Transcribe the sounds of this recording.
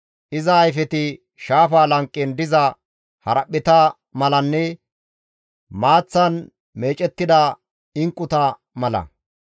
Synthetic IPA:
ʔɪzɐːjfɛt̪ɪ | ʃaːfaːlɐŋkʼːɪnd̪ɪzɐ | hɐɾɐpːɪt̪ɐ | mɐlɐnːɛ | maːt͡sːɐn | meːt͡ʃʼɛt̪ːɪd̪ɐ | ɪŋkʼːʊt̪ɐ | mɐlɐ̰

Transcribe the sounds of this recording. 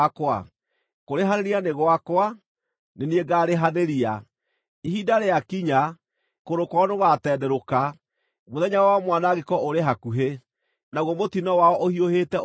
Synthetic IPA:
akwa̰ | koɾeɦaðeɾianeɣowakwa | nenieɡaːɾeɦaðeɾia | ihidaɾeakiɲa | koɾokwɔnoɣatɛːdɛɾoka | moðɛɲawɔwamwanaɣekɔoɾeɦakuɦe | naɣwɔmotinɔwaɔʔohioheːtɛ

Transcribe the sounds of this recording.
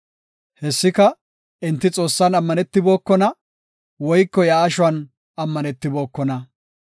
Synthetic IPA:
hɛsːɪkɐ | ɪnt̪ːɪt͡sʼo̞ːsːɐnɐmːɐnɛt̪ːɪbo̞ːkːɔnɐ | wɔjkːɔjaːʃʊwɐn | ɐmːɐnɛt̪ːɪbo̞ːkːɔnɐ

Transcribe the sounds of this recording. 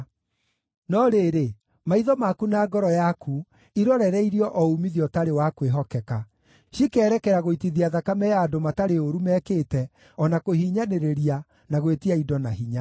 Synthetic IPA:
nɔɾeɾe | maiðɔmakunaːɡɔɾɔjakʰu | iɾɔɾɛɾɛiɾiɔʔɔumiðiɔtaɾewakweɦɔkɛka | ʃikɛːɾɛkɛɾaɣoitiðiaðakamɛjaːdomataɾeoɾumɛːkeːtɛ | ɔnakohiːɲaneɾeɾia | naɣwetiaidɔnaɦiɲa

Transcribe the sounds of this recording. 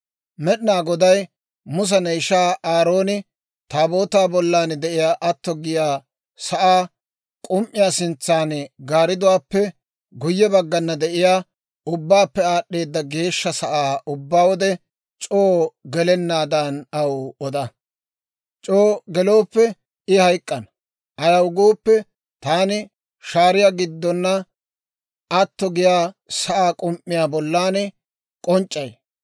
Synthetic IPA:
mɛɗnaːɡɔd̪ɐj | mʊs̬ɐnɐɪʃaːaːɾo̞ːnɪ | t̪aːbo̞ːt̪aːbɔlːaːnd̪ɛʔɪjaːʔɐt̪ːɔɡɪjaː | sɐʔaː | kʼʊmʔɪjaːsɪnt͡sːaːnɡaːɾɪd̪ʊwaːpːɛ | ɡʊjːɛbɐɡːɐnːɐd̪ɛʔɪjaː | ʊbːaːpːɛaːɗːe̞ːd̪ːɐɡe̞ːʃːɐsɐʔaːʊbːaːwɔd̪ɛ | t͡ʃʼoːɡɛlɛnːaːd̪ɐnɐwɔd̪ɐ | t͡ʃʼoːɡɛlo̞ːpːɛ | ɪhɐjkʼːɐnɐ | ʔɐjɐwɡoːpːɛ | t̪aːnɪ | ʃaːɾɪjaɡɪd̪ːɔnːɐ | ɐt̪ːɔɡɪjaːsɐʔaːkʼʊmpʼːɪjaːbɔlːaːnɛ | kʼɔnt͡ʃʼːɐj

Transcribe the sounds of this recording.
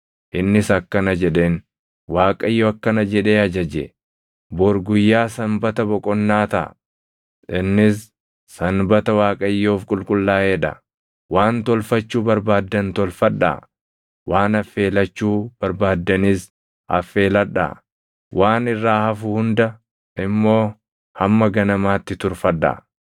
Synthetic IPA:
ʔɪnːɪsɐkːɐnɐd͡ʒɛᶑe̞ːn | waːkʼɐjːoɐkːɐnɐd͡ʒɛᶑe̞ːɐd͡ʒɐd͡ʒɛ | boɾɡʊjːaːsɐmbɐt̪ɐbɔkʼɔnːaːt̪ɐ̰ʔ | ʔɪnːɪs | sɐnbɐt̪ɐwaːkʼɐjːoːfkʼʊlkʼʊlːaːeːᶑɐ̰ | waːnt̪ɔlfɐt͡ʃːuːbɐɾbaːd̪ːɐnt̪ɔlfɐᶑːa̰ | waːnɐfːe̞ːlɐt͡ʃːuːb̥ɐɾbaːd̪ːɐnɪs | ɐ̰fːe̞ːlɐᶑːa̰ | wʔaːnɪrːaːhɐfʊhʊnd̪ɐ | ɪmːo̞ː | hɐmːɐɡɐnɐmaːt̪ːɪt̪ʊɾfɐᶑɐ̰

